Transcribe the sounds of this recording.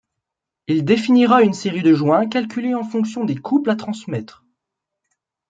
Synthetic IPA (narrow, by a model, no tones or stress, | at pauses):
ild̪efiniʁaynseʁid̪əʒwɛ̃kalkʲyleɑ̃fɔ̃ksjɔ̃d̪ekʰuplat̪χɑ̃smɛt̪χ